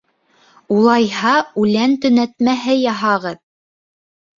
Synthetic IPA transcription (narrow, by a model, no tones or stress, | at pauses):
ulˠɑjhɑʉlænt̪ɵ̆næt̪mæɦɘjɑɦɑʁɤð